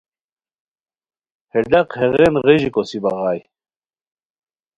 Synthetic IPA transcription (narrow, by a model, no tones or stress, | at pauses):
heɖɐqheʁenʁeʑikosibɑʁɑːj